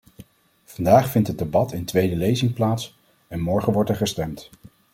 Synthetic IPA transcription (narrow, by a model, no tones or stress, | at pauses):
vɑndaːχfɪntɦəd̚debɑtʰɪntʋejdəlejzɪŋplaːts | ɛnmɔɹχənʋɔɹtɛɹχəstɛmt